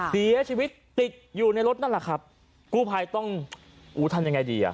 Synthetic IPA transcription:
si˨˦ɐ˦˥t͡ɕʰiː˧wi˦˥t̪̚ːi˨˩t̪̚juː˨˩na˧jɾo˦˥t̪̚na˥˩nla˨˩kʰɾa˦˥p̚ | kuː˥˩pʰaː˧jt̪ɔ˥˩ŋ | ʔuː˨˦t̪ʰa˧mja˧ŋa˧jdiː˧ʔa̰˨˩

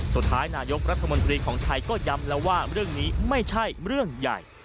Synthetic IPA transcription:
su˨˩t̪ʰːaː˦˥jnaː˧jo˦˥k̚ɾa˦˥t̪ʰːmo˧nt̪ɾiː˧kʰɔː˩˦ŋt̪ʰa˧jkɔː˥˩ja˦˥mlɛː˦˥waː˥˩ɾɯ˥˩əŋniː˦˥ma˥˩jt͡ɕʰa˥˩jɾɯ˥˩əŋja̰˨˩j

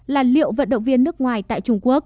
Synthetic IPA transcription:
laː˨˩lḭ˧˨əwvə̰˧˨nɗə̰˧˨ŋ͡mvi˧ənːɨ˦˥ək̚ŋwaː˨˩jt̪a̰ː˧˨jt͡ɕʊ˧ŋ͡mku˦˥ək̚

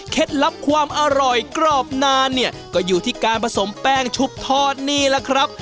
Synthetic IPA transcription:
kʰe˦˥t̪̚la˦˥p̚kʰwaː˧mʔa˧ɾɔ˨˩jkɾɔː˥˩p̚naː˧nːi˥˩ɐkɔː˥˩juː˨˩t̪ʰiː˥˩kaː˧npʰa˧so˩˦mpɛː˧˥˩ŋt͡ɕʰu˦˥p̚t̪ʰɔː˥˩t̪̚niː˥˩lɛ˦˥kʰɾa˦˥p̚

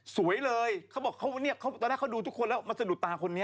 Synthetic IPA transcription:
su˨˩˦əjlɤː˧jkʰa˦˥wbɔː˨˩kʰːa˦˥wni˥˩ɐkʰa˦˥wt̪ɔː˧nɛː˦˥˩kʰduː˧t̪ʰu˥kʰːo˧nlɛː˦˥wma˧nsa˧du˨˩t̪aː˧kʰo˧nːi˦˥ɐ

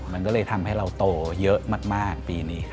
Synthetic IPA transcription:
ma˧nkɔː˥˩lːjt̪ʰa˧mha˥˩jɾa˧wt̪oː˧˩jɤ˦˥ʔmaː˥˩k̚maː˥˩k̚piː˧niː˦˥

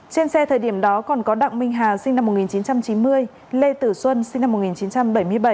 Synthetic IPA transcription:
t͡ɕe˧nsɛ˧t̪ʰəː˨˩jɗi˧˩əmɗɔ˨˦kɔ˨˩nkɔ˨˦ɗa̰˧˨ŋmï˧ŋ̟ɦaː˨˩si˧ŋna˧mːo˨˩t̚ŋi˨˩nt͡ɕi˨˦nt͡ɕa˧mt͡ɕi˨˦nmɨ˧əj | le˧t̪ɨ˧˩swə˧nsi˧ŋ̟na˧mːo˨˩t̚ŋi˨˩t͡ɕi˨˦nt͡ɕa˧mɓə˧˩jmɨ˧əjɓə˧˩j

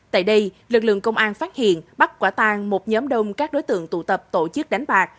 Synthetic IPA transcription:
t̪a̰ː˧˨jɗə˧j | lɨ˨˩k̚lɨ̰˧˨əŋkə˧wŋ͡mʔaː˧nfaː˦˥t̚hḭ˧˨ənɓa˦˥t̚kwaː˧˩t̪aː˧ŋmo˨˩t̚ɲɔː˨˦mɗə˧wŋ͡mkaː˦˥k̚ɗo˨˦jt̪ɨ̰˧˨əŋt̪ṵ˧˩t̪ə˨˩p̚t̪o˧˩t͡ɕɨ˦˥k̚ɗa˨˦jŋ̟ɓaː˨˩k̚

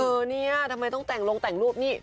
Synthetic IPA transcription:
ʔɤː˧niː˥˩ɐ˩t̪ʰa˧mːa˧jt̪ɔ˥˩ŋt̪ɛ˨˩ŋlo˧ŋt̪ɛ˨˩ŋluː˥˩p̚niː˥˩

